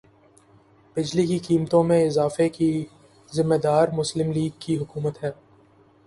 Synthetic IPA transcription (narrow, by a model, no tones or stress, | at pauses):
b̥ɪd͡ʒlikikiːmət̪õmẽɪzaːfeki | zɪmːed̪aːɾmʊslɪmliːɡ̚kiɦʊkuːmət̪ɦɛː